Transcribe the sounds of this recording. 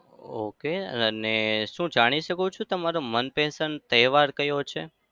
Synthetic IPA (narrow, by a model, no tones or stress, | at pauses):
o̰keə̰əneʃũd͡ʒaɽ̃iʃəkut͡ʃʰũt̪əmaɾomənpɛsənt̪əɦʋaɾkəjot͡ʃʰḛ